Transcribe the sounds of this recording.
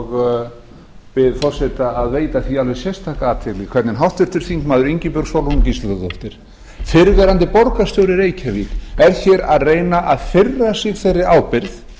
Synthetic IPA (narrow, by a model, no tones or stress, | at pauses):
ɣ | pɪðfɔ̥sɛt̪aːðveːjt̪aθialvɛsjɛst̪ʰaːkaaːt̪ʰɪlɪkʰvɛɾt̪nɪnɦawht̪vɪɾ̥t̪ʏɾ̥θiŋkmaːðʏɾiɲcɪpʏɾɣsowlunmcisat̪at̪ɔft̪ɪɾ̥ | fɪɾðɛɾant̪ɪpɔɾkast̪œwɾɪɾeːjcʰavit̪ɛɾ̥çɛɾaðreːjnaʔaðfɪrːasɪɣθejrːɪaːwpɪɾθ